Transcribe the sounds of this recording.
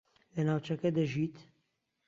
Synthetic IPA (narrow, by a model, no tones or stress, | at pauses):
lɛnaːwt͡ʃɛkɛd̪ɛʒiːt̪